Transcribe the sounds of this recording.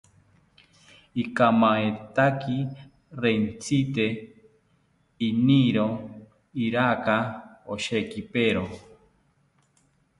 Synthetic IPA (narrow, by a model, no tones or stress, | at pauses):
ikamaet̪aki | ɾent͡sʰit̪e | iniɾo | iɾakaoʃekipeɾo